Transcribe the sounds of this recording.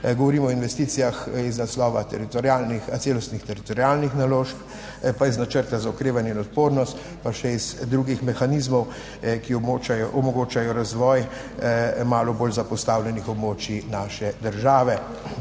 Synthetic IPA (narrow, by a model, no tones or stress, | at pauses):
ɡɔʋɔɾiːmɔɔinʋɛst̪iːt̪sijaxiznaslɔːʋat̪ɛɾit̪ɔɾjaːlnixat̪seːlɔst̪nixt̪ɛɾit̪ɔɾijaːlnixnaloːʃp | paiznat͡ʃəɾt̪azaɔkɾeːʋanjɛinɔt̪poːɾnɔst̪ | paʃɛizd̪ɾuːɡixmɛxanizmɔw | kiɔmɔɡoːt͡ʃajɔɾazʋɔːj | maːlɔboːlzapɔst̪awlʲɛnixɔbmoːt͡ʃinaːʃɛd̪əɾʒaːʋɛ